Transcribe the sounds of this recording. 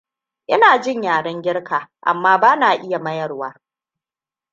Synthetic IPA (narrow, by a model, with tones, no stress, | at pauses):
ʔɪ˦naː˨d͡ʒɪ˦ɲjaː˨ɽɐ˦ŋɡʲɪ˦ɽkaː˨ʔa̰˨mːaː˦baː˦naː˨ʔɪ˦ja˨mɐ˦jɐ˨rwaː˦